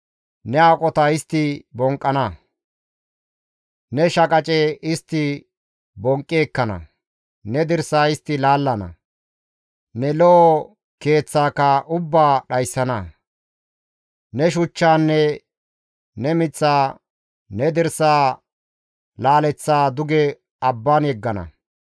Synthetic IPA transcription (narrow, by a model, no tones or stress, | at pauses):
nɛaːkʼɔt̪ɐɪst̪ːɪbɔŋkʼːɐnɐ | nɛʃɐkʼɐt͡ʃʼeɪst̪ːɪ | bɔŋkʼːeːkːɐnɐ̰ | nɛd̪ɪɾsaːɪst̪ːɪlaːlːɐnɐ̰ | nɛlɔʔɔ | ke̞ːt͡sːaːkːɐʔʊbːaːɗɐjsːɐnɐ | nɛʃ̬ʊt͡ʃːaːnːɛ | nɛmɪt͡sːaː | nɛd̪ɪɾsaː | laːlɛt͡sːaːd̪ʊɡɛ | ɐbːaːnjɛɡːɐnɐ̰